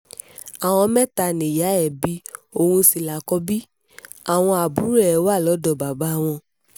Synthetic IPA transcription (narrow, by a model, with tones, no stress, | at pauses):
a˨w̃ɔ̃˧mɛ˦ta˧nẽ˨ja˨˦ɛ˦˨bi˨˦o˧˨hũ˧si˨la˨kɔ˧˦bi˦ | a˨w̃ɔ̃˧a˨bũ˨˦ɾɛ˦˨˦wa˦˨lɔ˨˦dɔ˧˨ba˨ba˨˦w̃ɔ̃˧